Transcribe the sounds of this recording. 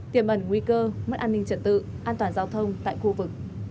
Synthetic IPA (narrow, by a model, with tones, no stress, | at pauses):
t̪i˧˩əmʔə˨˧˩nŋwi˧kəː˧mə˦˥t̚ʔaː˧nï˧ŋ̟t͡ɕə˧˩t̚t̪ɨ̰˧˨ | ʔaː˧nt̪waː˨˩nzaː˧wt̪ʰə˧wŋ͡mt̪a̰ː˧˨jxu˧vɨ˨˩k̚